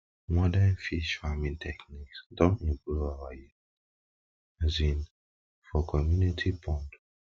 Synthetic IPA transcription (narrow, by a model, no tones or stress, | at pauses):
mɔdanfiʃfamĩntʰɛkniksdɔ̃nɛ̃mpluvawaji | azĩn | fɔkʰɔmjunitʰipʰɔ̃nd